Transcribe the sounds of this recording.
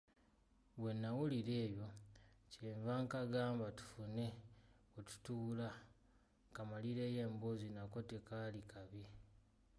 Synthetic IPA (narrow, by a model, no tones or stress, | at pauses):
βwe̞nːawuliɾe̞ːjo̞ceːɱvaŋkaɡaːmbatu̥fune̞wetu̥tuula | kamaliɾe̞ːje̞ːmbozinako̞tekalikaβi